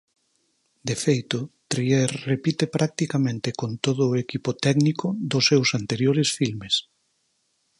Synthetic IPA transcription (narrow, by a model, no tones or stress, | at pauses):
d̪efejt̪ʊt̪ɾieɾrepit̪epɾʔak̚t̪ikamẽnt̪ɪkont̪oð̞ʊːekipʊt̪ɛɡnikʊðʊsːewsant̪eɾjoɾesfilmes